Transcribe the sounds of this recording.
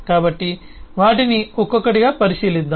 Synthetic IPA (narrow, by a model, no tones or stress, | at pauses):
kaːbɐʈːiʋaːʈiniɔkːokːɐɽiɡɐpɐɾiʃiːlid̪ːa